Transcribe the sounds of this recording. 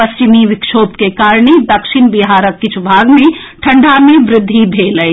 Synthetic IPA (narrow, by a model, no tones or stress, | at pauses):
pɐst͡ʃɪmiʋɪkʃoːbkekaːɾɳed̪ɐkʃɪnbɪɦaːɾəkːɪt͡ʃʰʊbʱaːɡmẽ | ʈʰɐ̃ɳɖʱamẽʋɾɪd̪ʱːibʱeːlə